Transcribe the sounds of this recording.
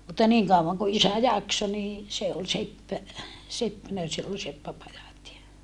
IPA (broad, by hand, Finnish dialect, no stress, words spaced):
mutːɑ niːŋ kɑuʋɑŋ ko isæ jɑkso niː se ol sepːpæ sepːænæ silː ol sepːæpɑjɑt jɑ